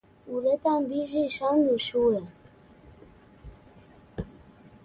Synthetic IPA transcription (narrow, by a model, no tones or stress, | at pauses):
uɾətaŋbiʒiʃanduʃuwə